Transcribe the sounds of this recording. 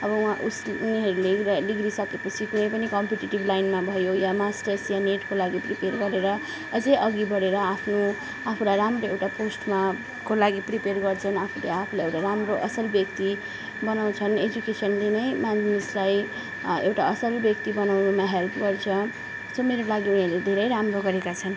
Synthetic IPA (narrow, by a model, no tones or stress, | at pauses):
ʌbʌwãʔusuniɦʌɾuleliɡɾisʌkepʌt͡sʰikunʌjpʌnikʌmpiʈiʈiblajnmabʱʌjojamasʈʌrsjaneʈkolaɡipriperɡʌɾeɾʌ | ʌd͡zejʔʌɡibʱʌɾeɾʌapʰno | apʰulajɾamroewʈaposʈma | kolaɡipriperɡʌrt͡sʰʌnapʰuleapʰulajewʈaɾamroʔʌsʌlbjʌk̚t̪i | bʌnaw̃t͡sʰʌned͡zukesʌnlenʌjmannislaj | ewʈaʌsʌlbjʌkt̪ibʌnawnumaɦelpɡʌrt͡sʰʌ | someɾolaɡiunaled̪ʱeɾʌjɾamroɡʌɾekat͡sʰʌn